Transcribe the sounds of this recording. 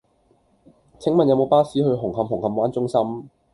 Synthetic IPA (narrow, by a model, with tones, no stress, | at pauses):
t͡sʰɪ˨˥ŋmɐ˨njɐ˨˧wmo˨˧wpaː˥siː˨˥hɵ˧ɥɦʊ˨˩ŋɦɐ˨mhʊ˨˩ŋhɐ˨˧mwaː˨˥nt͡sʊ˥ŋsɐ˥m